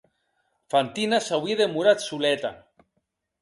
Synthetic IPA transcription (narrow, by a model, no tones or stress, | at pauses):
fant̪inasawieðemuɾat̪sulɛt̪a̰